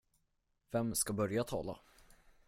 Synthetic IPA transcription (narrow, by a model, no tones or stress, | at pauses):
vɛmskabœɾjat̪ʰɑ̰ːla̰